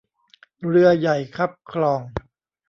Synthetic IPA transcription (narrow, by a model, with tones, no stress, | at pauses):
ɾɯ˧ɐja˨˩jkʰa˦˥p̚kʰlɔː˧ŋ